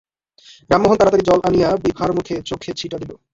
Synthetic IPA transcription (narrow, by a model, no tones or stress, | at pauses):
bɾamːoɦont̪aɾat̪aɾid͡ʑɔlʔanijabibʱaɾmukʰet͡ɕokʰːet͡ɕʰiʈad̪ilo